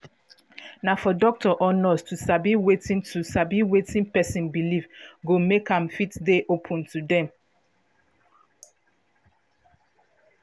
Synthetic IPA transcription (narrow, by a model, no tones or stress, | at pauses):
nafɔdɔk̚tɔʔɔnɔstusabiwetĩntʰusabiwetĩnpɛsĩnbilivɡomekãmfitdeʔopʰũntʰudɛ̃m